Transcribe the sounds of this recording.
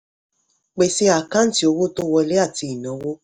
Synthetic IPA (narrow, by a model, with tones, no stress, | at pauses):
k͡pe˧˨se˦a˨kã˦n̩˦ti˦o˧wo˦to˦wɔ˧le˦a˦˨ti˧i˨nã˨˦wo˦